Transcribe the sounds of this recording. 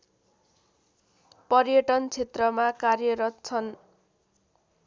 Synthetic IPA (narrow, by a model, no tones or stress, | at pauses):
pʌrjʌʈʌnt͡sʰet̪rʌmakarjʌɾʌt̪t͡sʰʌn